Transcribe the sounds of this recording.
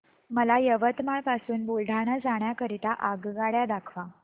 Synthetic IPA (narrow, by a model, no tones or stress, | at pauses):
məlajəʋət̪maɭpasuːnbulɖʱaɽ̃ad͡zaɳjakəɾit̪aʔaɡɡaɭjad̪akʰʋa